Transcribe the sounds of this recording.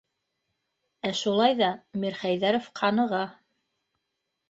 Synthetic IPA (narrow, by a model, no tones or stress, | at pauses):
æʃulˠɑjðɑmiɾχæjðæɾofqʰɑnɤ̆ʁɑ